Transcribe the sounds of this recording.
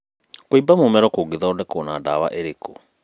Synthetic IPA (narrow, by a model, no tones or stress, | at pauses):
koibamomɛɾɔkoɡeðaɔdɛkonadawa̰ʔɛɾeko